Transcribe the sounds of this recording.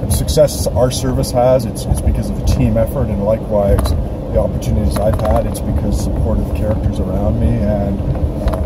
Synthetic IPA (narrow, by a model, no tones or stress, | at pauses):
sɨksɛsaə˞sɜ˞vɨshəzɨtsɨtsb̥ɨkʰʌzʌvɨtʰĩmɛfə˞ɾɨ̃nlaɪkwaɪz | ðiɑpə˞tʰʉnɨɾizaɪv̥əɾɨtsb̥ɨkʰʌz̥səpʰɔɹɾʌv̥kʰɛɹɨk̚tə˞zə˞ãʊ̃nmiɨ̃n